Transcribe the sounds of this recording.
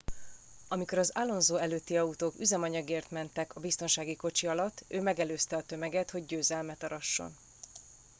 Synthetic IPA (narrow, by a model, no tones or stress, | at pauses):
ɒmiko̞ɾɒzaːlːo̞nzoːɛløːt̪ːiɒut̪oːkyzɛmɒɲɒɡeːrt̪mɛnt̪ɛkɒbist̪o̞nʃaːɡiko̞t͡ʃiɒlɒt̪ːøːmɛɡɛløːst̪ɛɒt̪ø̞mɛɡɛt̪ho̞ɟɟøːzɛlmɛt̪ɒɾɒʃːo̞̰n